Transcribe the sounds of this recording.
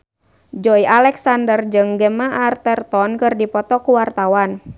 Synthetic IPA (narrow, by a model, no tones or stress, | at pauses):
d͡ʒɔialɛksandərd͡ʒɨŋɡəmaʔart̪ərt̪ɔnkɨrdipɔt̪ɔkuwart̪awan